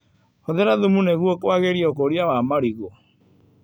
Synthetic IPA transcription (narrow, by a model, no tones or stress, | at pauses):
hoðɛɾaðumuneɣwɔkwaɣeɾiɔkoɾiawamaɾiɣo